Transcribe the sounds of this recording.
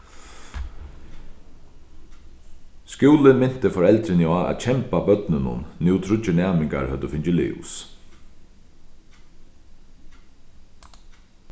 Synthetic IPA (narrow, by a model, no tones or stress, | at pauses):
skjuːlɪnmɪn̥t̪ɪfɔɾɛlt̪ɾɪnja̰ːcʰɛmpabœt̪nɪnʊ̰nːjuwt̪ʰɾʊt͡ʃɪnæːmɪŋka̰ɹhœt̪əfɪnt͡ʃɪlḭːʊ̰s